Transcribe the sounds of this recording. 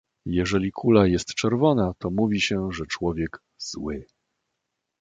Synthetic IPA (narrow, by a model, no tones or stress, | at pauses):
jɛʐɛlʲikʰulajɛst̪t͡ʂɛɾvɔnat̪ɔmuvʲiɕɛʐɛt͡ʂwɔvʲjɛɡ | z̥wɘ